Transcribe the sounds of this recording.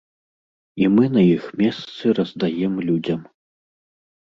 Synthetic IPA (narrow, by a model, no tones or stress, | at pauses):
imɨnɐjixmʲɛst̪sɨrɐzd̪ajɛmlʲud͡zʲɐm